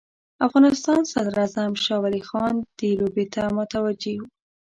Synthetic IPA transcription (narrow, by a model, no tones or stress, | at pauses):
afɣɑnɪst̪ɑnsad̪ɾazamʃɑwalixɑnd̪̥elobet̪ʰamʊt̪awad͡ʒewu